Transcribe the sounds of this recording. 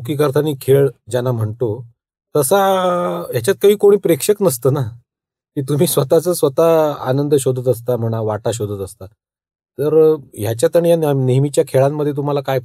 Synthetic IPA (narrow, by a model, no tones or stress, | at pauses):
ok̬iːkəɾt̪ʰaniːkʰeɭd͡ʑanam̤əɳt̪o | t̪əsaɦjat͡ɕjat̪̚kəɦiːkoɽ̃iːpɾekʂəknəst̪əːna | kiːt̪um̤iːsʋət̪at͡səːsʋət̪aːnənd̪əɕod̪ət̪əst̪am̤əɽ̃aʋaʈaɕ̬od̪ʱət̪əst̪a | t̪əɾjat͡ɕjat̪əɳ̃ijanneɦmit͡ɕjakʰeɭamːəd̪ʱːjet̪̬um̤alakaj